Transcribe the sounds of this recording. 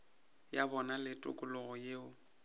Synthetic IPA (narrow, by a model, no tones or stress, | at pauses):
jabɔnalɪtʼʊ̰kʼʊlʊɣʊjeːʊ